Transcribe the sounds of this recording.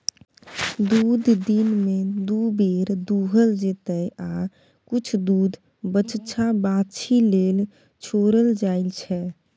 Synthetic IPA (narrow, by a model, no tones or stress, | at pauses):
d̪ud̪ʱd̪inmed̪ubeɾd̪uɦəld͡ʒet̪əja | kut͡ʃʰd̪uːd̪ʱ | bət͡ʃt͡ʃʰabat͡ʃʰilel | t͡ʃʰoɾəld͡ʒailt͡ʃʰɛ